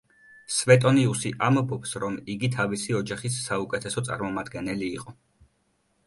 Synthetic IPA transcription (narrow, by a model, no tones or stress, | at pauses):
svɛt̪ʼɔniusiʔambɔpsɾɔmiɡit̪ʰavisiɔd͡ʒaχisːaukʼɛt̪ʰɛsɔt̪sʼa̰ɾmɔmad̪ɡɛnɛliːqʼɔ